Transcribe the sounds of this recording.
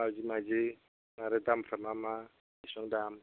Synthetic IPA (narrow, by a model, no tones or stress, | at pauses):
ad͡ʒimad͡ʒi | naɾɛd̪amramama | isɔŋdam